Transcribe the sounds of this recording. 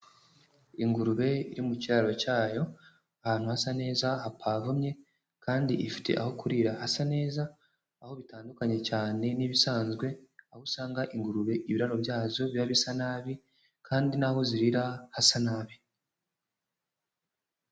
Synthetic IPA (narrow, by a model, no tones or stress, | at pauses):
iŋɡuɾuβe̞iɾimuciɾaɾocaːjo̞ | ahaːn̥huhasane̞ːzahapʰaːvumɲe̞ | kʰaːndiʔifi̥tʰe̞̰ʔa̰ho̞kuɾiɾahasane̞ːza | aho̞βitaːndukaɲe̞t͡ʃaːne̞niβisaːnzɡwe̞ahusaːŋɡaʔiŋɡuɾuβe̞ʔiβiɾaɾo̞βjaːzo̞βjaβisanaβi | kʰaːndinahoziɾiɾahasanaːβi